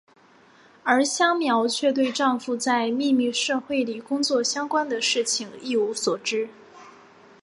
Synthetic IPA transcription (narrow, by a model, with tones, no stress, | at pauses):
ə˞˧˥ɕjɑ˥ŋmjɑ˧˥ʊt͡ɕʰɥɛ˥˧t̪we˥˧ɪʈ͡ʂɑ˥˧ŋfu˥˩t͡sa˥˧ɪmi˥˧mi˥˧ʂɤ˥˧xwe˥˩ɪli˨˩kʊ˥ŋt͡swɔ˥˩ɕjɑ˥ŋkwa˥nd̪ə˨ʂɻ̩˥˩t͡ɕʰi˨˩ŋi˥˩u˧˥swɔ˨˩ʈ͡ʂɻ̩˥